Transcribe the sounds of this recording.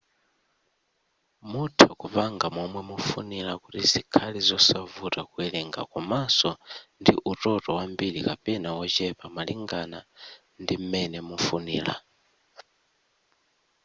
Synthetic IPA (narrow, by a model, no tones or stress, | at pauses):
mutʰakupaŋɡamɔmwɛmufunilakutizikʰalɛzɔsavutakuɛlɛŋɡa̰kumasɔndiʔutɔtɔwambilikapɛnawɔt͡ʃɛpamaliŋɡana | ndim̩mɛnɛmufuniːla̰